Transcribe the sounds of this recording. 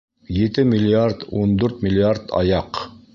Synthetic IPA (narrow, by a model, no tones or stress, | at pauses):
jit̪ɘmʲilʲiaɾt̪und̪ʉɾt̪mʲɪlʲiaɾt̪ɑ̰jɑq